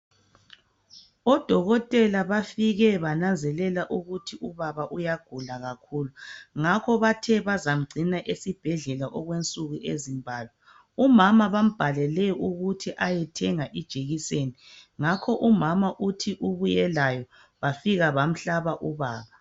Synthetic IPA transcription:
ɔd̥ʱɔɣɔtʼɛlaβafiɣɛβanand͡zʱɛlɛlaʔuɣutʰiuβaβaʔujaɡ̥ʱulaɣakʰuːluŋakʰɔβatʰɛβazam̩ɡ͡ǀʱinaʔesib̥ʱɛɮɛlaʔɔɣwent͡sʼuɣuʔezimbʱaːlwɛ | umamaβam̩b̥ʱalɛlɛuɣutʰiʔajɛtʰɛŋaʔid̥ʒ̥ʱeɣiseniŋakʰɔʔumamaʔutʰiʔuβujɛlajɔ | βafiɣaβam̩ɬaβaʔuβaːβa

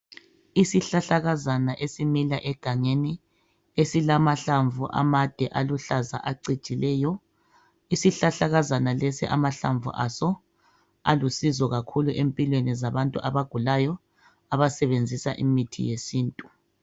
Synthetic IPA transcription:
isiɬaɬaɣazanaʔesimilaʔɛɡ̥ʱaŋeni | esilamaɬaɱvuʔa̰mad̥ʱɛʔaluɬaza̰ʔaǀi̥t͡ʃʼilɛːjɔ | isiɬaɬaɣazanalesḭʔa̰maɬa̰ɱvṵʔa̰sɔ | a̰lusizɔɣakʰuluʔempʼilwenizaβantʼuʔaβaɡ̥ʱulajɔ | aβasɛβend͡zʱisa̰ʔḭmitʰḭjesiːntʼu

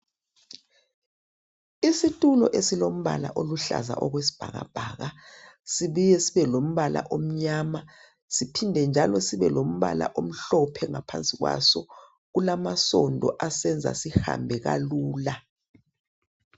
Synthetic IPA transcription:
isitʼulɔ̰ʔesilom̩βala̰ʔoluɬa̰za̰ʔɔɣwesi̥b̥ʱaɣa̰b̥ʱaːɣasiβujɛsiβɛlom̩βala̰ʔom̩ɲaːma | sipʰindʱɛnd͡ʒʱalɔsiβɛlom̩βa̰la̰ʔom̩ɬɔpʰɛŋapʰant͡sʼiɣwa̰sɔ | ɣulamasɔndʱɔʔasɛnd͡zʱa̰siha̰mbʱɛɣaluːla

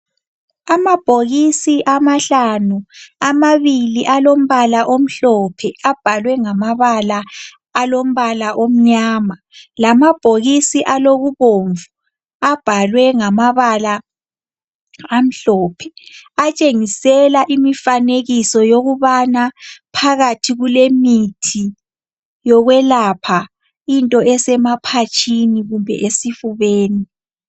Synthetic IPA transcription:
amab̥ʱoɣisiʔamaɬanuamaβiliʔalom̩βalaʔom̩ɬɔpʰɛab̥ʱalwɛŋamaβalaː | lom̩βalaʔom̩ɲaːma | lamab̥ʱoɣisiʔaloɣuβoɱvu | ab̥ʱalwɛŋamaβala | am̩ɬɔːpʰɛ̥at͡ʃʼeŋisɛlaʔimifaneɣisɔjoɣuβanapʰaɣatʰiɣulemitʰi | jɔɣwɛlapʰa | intʼɔʔɛsɛmapʰat͡ʃʼʰiniɣumbʱɛ̰ʔesifuβeːni

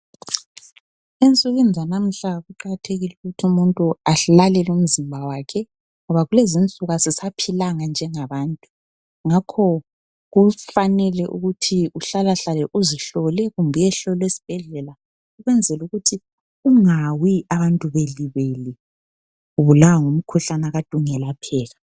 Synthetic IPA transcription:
ent͡sʼuɣind͡zʱanam̩ɬaɣuǃaɣatʰeɣiluɣutʰumuntʼuaɬalɛlum̩zimbʱawakʰɛ | ŋɔβaɣulezint͡sʼuɣasisapʰilaŋand͡ʒʱɛŋaβaːntʼu | ŋakʰɔ | ɣufanɛlɛʔṵɣutʰiuɬalaɬalɛʔuziɬɔlɛɣumbʱɛjɛɬɔlwesi̥b̥ʱɛɮɛla | uɣwɛnd͡zʱɛluɣutʰi | uŋawiaβantʼuβeliβeli | uβulawaŋum̩kʰuɬanaɣad̥ʱuŋɛlapʰɛːla

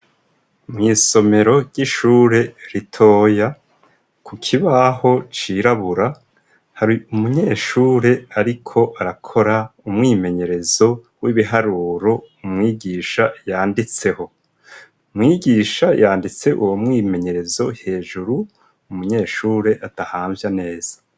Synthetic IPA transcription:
mŋiːso̞me̞ɾo̞ɾɟiʃuːɾe̞ɾitʰo̞ːja | kukʰiβaho̞t͡ʃiɾaβuɾa | haɾiumuɲe̞ːʃuːɾe̞aɾikʰo̞ʔaɾakʰo̞ɾaumŋiːme̞ɲe̞ɾe̞zo̞ | wiβiɦaɾuːɾo̞ | umŋiːɟiːʃajaːndit͡se̞ho̞ | umŋiːɡiːʃajaːndit͡se̞ʔuwomŋiːme̞ɲe̞ɾe̞zo̞he̞ːʒuɾu | umuɲe̞ːʃuːɾe̞ʔad̥ahaːɱvjane̞ːz̥ḁ

